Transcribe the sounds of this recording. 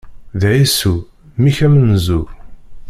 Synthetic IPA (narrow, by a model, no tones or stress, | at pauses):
ðʕisu | miçæmənzuɾ